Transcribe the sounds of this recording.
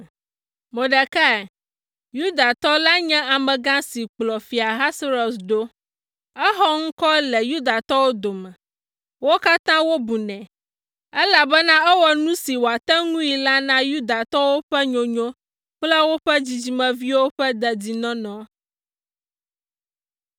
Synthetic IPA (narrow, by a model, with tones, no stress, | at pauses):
mõ˨ɖɛ˨kɛ˦ɛ˨ | ju˦d̪a˨t̪ɔ˦la˦ɲɛ̃˦a˨mɛ̃˨ɡã˦si˨k͡plɔ˨fi˨a˨ɦa˦sɾɔ˨sɖo˦ | ɛ˦ɦɔ˦ŋ̩˦kɔ˦lɛ˨ju˦d̪a˨t̪ɔ˦wo˦d̪o˨mɛ̃˨ | wo˦ka˦t̪ã˦wo˦bu˨nɛ̃˨ | ɛ˦la˨bɛ˦nã˦ɛ˦wɔ˦nũ˦si˨wo˨a˨t̪ɛ˦ŋũ˦i˨la˦nã˦ju˦d̪a˨t̪ɔ˦wo˦ɸɛ˦ɲõ˨ɲõ˦ | k͡plɛ˦wo˦ɸɛ˦d͡ʑi˨d͡ʑi˨mɛ̃˨vi˦wo˦ɸɛ˦d̪ɛ˨di˨nɔ̃˦nɔ̃˨